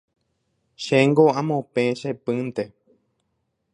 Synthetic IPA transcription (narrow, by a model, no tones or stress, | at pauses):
ʃeŋɡoãmõpẽʃepɨ̃nt̪e